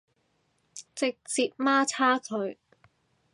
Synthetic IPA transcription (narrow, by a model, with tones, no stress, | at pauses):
t͡sɪ˨k̚t͡siː˧p̚maː˥t͡sʰaː˥kʰɵ˨˧˥ɥ